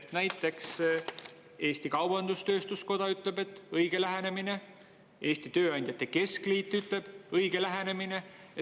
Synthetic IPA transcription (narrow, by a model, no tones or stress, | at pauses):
næjt̪ːˑe̞ks | e̞ːst̪ikɑwbɑnd̪ust̪ø̞ːst̪usko̞d̪̥ɑyt̪ˑle̞be̞t̪ːˑɤjɡ̥e̞læɦene̞mine̞ | e̞ːst̪it̪ø̞ːɑnʲd̪̥ʲjɑt̪ːˑe̞ke̞skliːt̪ːˑyt̪le̞b̥ɤjɡ̥e̞læɦene̞mine̞ | e